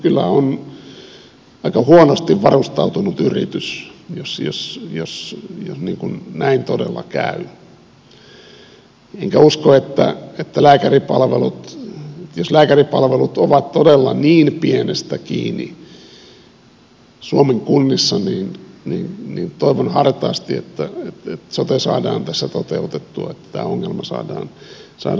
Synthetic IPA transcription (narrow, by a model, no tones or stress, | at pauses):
kylːæ̰on | ɑikɑhuonost̪iʋʋɑrust̪ɑut̪unut̪yrḭt̪ysjosjo̰sjosjo̰sniːŋkunnæint̪odḛlːɑ̰kæ̰y | eŋkæuskoet̪ːæ̰et̪ːælæːkæripɑlʋḛlut̪ | joslæːkæripɑlʋelut̪oʋɑt̪t̪odelːɑniːnpienest̪ækḭːni | suomeŋkunːisːɑniːnniːnniːnt̪oiʋonhɑrt̪ɑːst̪iḛt̪ːæet̪et̪sot̪esɑ̰ːdɑːnt̪æsːæt̪ot̪eut̪et̪ːuɑet̪ːæ̥t̪æ̰ːoŋːelmɑsɑ̰ːdɑːnsɑ̰ː